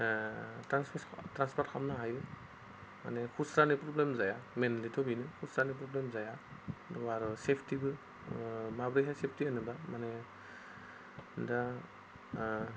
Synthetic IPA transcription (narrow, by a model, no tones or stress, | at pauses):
tɾanspʰtɾanspɔɾt̚kʰamnaɦajɾɯ | ma̰nekʰusɾanipɾɔblemzajamenalitʰɔbinɯkʰusɾanip̬ɾɔblemzajadɔaɾɯsepʰtibɯ | mabɾejɦasep̚ʰtianɯbamane | da